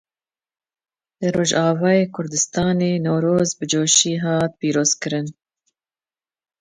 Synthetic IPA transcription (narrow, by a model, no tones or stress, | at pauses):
lɨɾoːʒɑːvɑːjeːkʰʊɾd̪ɨst̪ɑːneːnoːɾoːzbɨd͡ʒoːʃiːɦɑːt̪̚piːɾoːz̥kɨɾɨn